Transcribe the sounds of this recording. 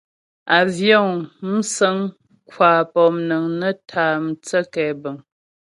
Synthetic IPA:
a˨vjɔ˦˨ŋm̩˦sə˦ŋ | kwaː˨pɔ˨mnə˨ŋnə˦tʰaː˨˦m̩˨t͡sə˦kɛ˨bə˨ŋ

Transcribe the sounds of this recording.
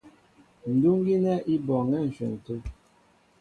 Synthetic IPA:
n̩˨du˦ŋ˦ɡi˦nɛ˦ʔi˦bɔ˨ŋɛ˦˨n̩˨ʃɛ̰˨n̩˨tu˦

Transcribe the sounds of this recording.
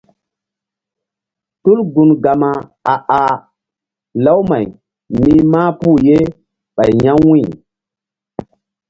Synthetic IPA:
tu˦lɡu˨nɡa˨ma˨a˨ʔa˨ | la˦wma˨j | mi˦maː˦pu˦˨je˦ | ɓa˨jɲa˦ŋwĩ˦˨

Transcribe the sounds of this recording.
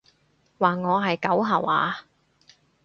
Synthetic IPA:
waː˨˩ŋɔː˨˧ɦɐ˨jkɐ˨˥wɦɐ˨˩wʔa̰ː˨˧

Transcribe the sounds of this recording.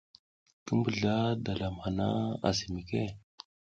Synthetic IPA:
kə˦mbə˨ɮa˦da˨la˨mha˨na̰˦a̰˨zi˨mi˨ke˦

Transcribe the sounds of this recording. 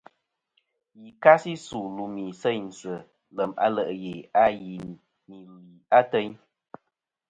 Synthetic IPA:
ji˨ka˦si˦suː˨lu˨mi˨sɛ˦˨ɲn̩˨sə˨ | lə˨ma̰˦lə˨ʔje˨a˦ji˨ | mi˨li˨a˦tə˦ɲ

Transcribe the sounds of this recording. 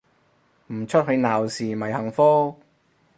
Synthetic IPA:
m̩˨˩t͡ʃʰɵ˥t̚hɵ˨˧ɥnaː˨˩wsiː˨˩mɐ˨˩jhɐ˨˩ŋfɔː˥

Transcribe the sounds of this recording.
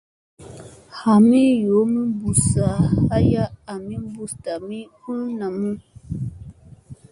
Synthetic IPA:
ha˨mi˦jo˨˦mi˦bu˨sa˨ha˦ja˦a˨mĩ˦bu˨sta˨mi˦ku˦na˨mũ˦

